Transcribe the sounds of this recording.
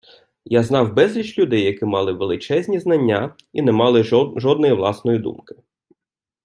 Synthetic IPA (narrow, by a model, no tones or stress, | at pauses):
jaznɑwbɛzʲlʲit͡ʃlʲʊd̪ɛjːɐkɪmɑlˠɪʋelˠɪt͡ʃɛzʲnʲiznɐnʲːa | inɛmɑlˠɪʒɔd̪nɔjiʋlˠɑsnɔjid̪ṵmkɪ̥